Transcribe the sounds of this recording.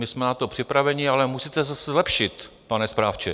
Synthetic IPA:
mɪsmɛnat̪opr̝̥ɪpɾavɛɲɪalɛmusit̪ɛzasɛzlɛpʃɪt̪ | panɛspɾaːft͡ʃɛ

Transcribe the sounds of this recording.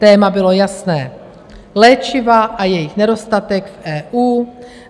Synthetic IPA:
ɛːmabɪlo̞jasnɛː | lɛːt͡ʃɪvaʔajɛjɪxnɛdo̞st̪at̪ɛkfʔɛːʔuː

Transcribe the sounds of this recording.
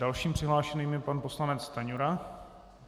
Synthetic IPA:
alʃiːmpr̥ɪɦlaːʃɛniːmjɛpanpo̞slanɛt͡st̪aɲuɾa

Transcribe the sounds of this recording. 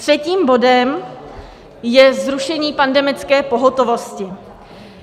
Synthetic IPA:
t̪r̥ɛciːmbo̞dɛm | jɛzɾuʃɛɲiːpandɛmɪt͡skɛːpo̞ɦot̪o̞vo̞scɪ

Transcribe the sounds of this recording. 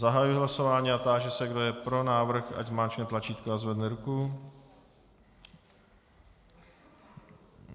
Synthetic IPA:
zaɦajujɪɦlaso̞vaːɲiːat̪aːʒɛsɛɡdojɛpɾonaːvr̩xa̰ɟzmaːt͡ʃɲɛt̪lat͡ʃiːt̪koazvɛdnɛɾuku

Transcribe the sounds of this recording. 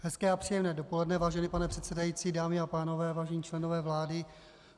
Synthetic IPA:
ɦɛskɛːapr̥ijɛmnɛːdo̞po̞lɛdnɛvaːʒɛniːpanɛpr̝̥ɛt̪sɛdajit͡siːdaːmɪapaːno̞vɛːvaːʒɛɲiːt͡ʃlɛnovɛːvlaːdɪ

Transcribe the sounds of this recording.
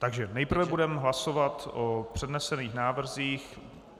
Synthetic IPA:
t̪aɡʒɛnɛjpr̩vɛbudɛmɦlasovat̪ʔopr̥ɛdnɛsɛniːxnaːvr̩ziːx

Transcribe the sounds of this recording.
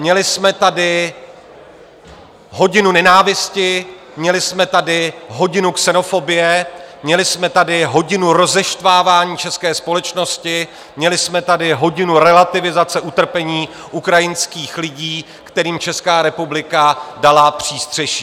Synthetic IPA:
mɲɛlɪsmɛt̪adɪ | ɦo̞ɟɪnunɛnaːvɪscɪ | mɲɛlɪsmɛt̪adɪɦo̞ɟɪnuksɛno̞fo̞bɪjɛmɲɛlɪsmɛt̪adɪɦo̞ɟɪnuɾo̞zɛʃt̪vaːvaːɲiːt͡ʃɛskɛːspo̞lɛt͡ʃno̞scɪ | mɲɛlɪsmɛt̪adɪɦo̞ɟɪnuɾɛlat̪ɪvɪzat͡sɛʔut̪r̩pɛɲiː | ʔukɾajɪnskiːxlɪɟiː | kt̪ɛɾiːmt͡ʃɛskaːɾɛpublɪkadalapr̝̥iːst̪r̝̥ɛʃiː

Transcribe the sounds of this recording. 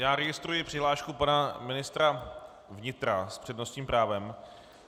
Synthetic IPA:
jaːɾɛɡɪst̪ɾujɪpr̥ɪɦlaːʃkupanamɪnɪst̪ɾa | vɲɪt̪ɾaspr̝̥ɛdnost̪ɲiːmpɾaːvɛm

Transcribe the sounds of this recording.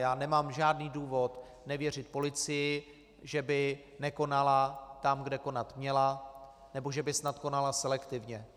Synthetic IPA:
jaːnɛmaːmʒaːdniːduːvo̞t̪ | nɛvjɛr̝ɪt̪po̞lɪt͡sɪjɪ | ʒɛbɪ | nɛko̞nalat̪amɡdɛko̞nat̪mɲɛla | nɛbo̞ʒɛbɪsnat̪ko̞nalasɛlɛkt̪ɪvɲɛ

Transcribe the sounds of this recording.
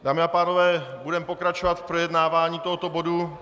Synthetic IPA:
daːmɪapaːno̞vɛːbudɛmpo̞kɾat͡ʃovat̪fpɾojɛdnaːvaːɲiːt̪o̞ɦot̪obo̞du

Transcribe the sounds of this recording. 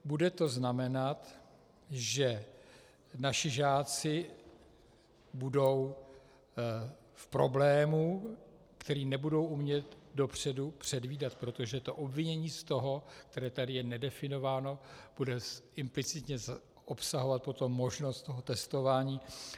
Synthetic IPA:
budɛt̪o̞znamɛnat̪ | ʒɛ | naʃɪʒaːt͡sɪ | budo̞w | fpɾo̞blɛːmu | kt̪ɛɾiːnɛbudo̞wʔumɲɛt̪do̞pr̝̥ɛdupr̝̥ɛdviːdat̪pɾo̞t̪oʒɛt̪o̞ʔobvɪɲɛɲiːst̪o̞ɦo̞k̚t̪ɛɾɛːt̪adɪjɛnɛdɛfɪno̞vaːno̞b̥udɛɪmplɪt͡sɪt̪ɲɛz | opsaɦo̞vat̪̚po̞t̪o̞mːo̞ʒno̞st̪t̪o̞ɦo̞t̪ɛst̪o̞vaːɲiː

